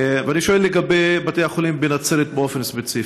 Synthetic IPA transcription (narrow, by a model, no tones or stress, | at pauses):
veaniʃoelːeɡabejbatejaχolimbenat͡selet̪̚beo̞fenspet͡si